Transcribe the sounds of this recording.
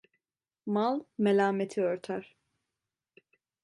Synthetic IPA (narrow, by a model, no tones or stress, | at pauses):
malˠmelʲaːmet̪ʰiøɾt̪ʰæɾ̥